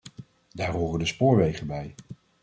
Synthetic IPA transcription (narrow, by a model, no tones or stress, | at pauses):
daːrɦoːrəndəspʊːɹʋejχənbɛj